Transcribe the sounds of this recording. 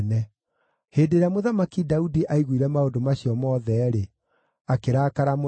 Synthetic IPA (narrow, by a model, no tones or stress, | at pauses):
nɛ | heːdeɾamoðamakidaudiʔaiɣwiɾɛmaondomaɕijɔmɔːðɛɾe | akeɾakaɾamo